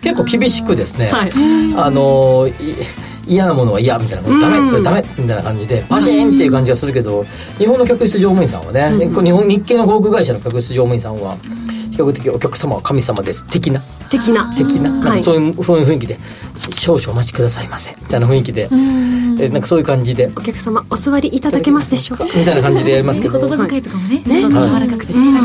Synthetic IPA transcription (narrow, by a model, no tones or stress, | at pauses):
ke̞kːo̞ːkʲibʲiɕi̥kɯ̟d̪e̞sɨne̞aano̞ | ijanamo̞noβaijamʲit̪ainakod̪amesoɾed̪amemʲit̪ainakãɲ̟d͡ʑid̪e̞paɕĩnt̪ːe̞iɯ̟kãɲd͡ʑiɡasɨɾɯ̟k̬e̞d̪o̞ | ɲihõnːo̞kʲakɯ̟ɕi̥t͡sɨʑo̞ːmɯ̟ĩs̬ã̰βa̰ne̞koɲ̟ihõɲ̟ikːe̞nokoːk̬ɯ̟ɡaiɕano̞kʲak̬ɯ̟ɕi̥t͡sɨʑoːmɯ̟ĩsãɰ̃βa̰çi̥kakɯ̟t̪e̞k̬ʲio̞kʲakɯ̟̥samaβakʰamʲisamad̪e̞sɨ̥t̪e̞kʲina | t̪e̞kʲinat̪e̞kʲinanãkasoːjɯsoːjɯ̟ɸɯ̟̃ikʲid̪e | ɕo̞ːɕoːmat͡ɕi̥kɯ̟d̪asaimasẽmmʲi̥t̪ainaɸɯ̟̃ikʲid̪e̞ | nãŋkḁsoːjɯ̟kãɲ̟d͡ʑid̪e̞okʲakɯ̥samaosɨβaɾʲiʔːt̪ad̪ake̞masɨd̪eɕokmʲit̪ainakãɲd͡ʑid̪e̞jaɾimasɨ̥ket̪obazkait̪okamonehaiaɾakakɯ̟̥t̪e